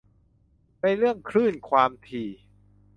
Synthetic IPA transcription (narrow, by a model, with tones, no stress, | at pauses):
na˧jɾɯ˥˩əŋkʰɾɯː˥˩nkʰwaː˧mt̪ʰiː˨˩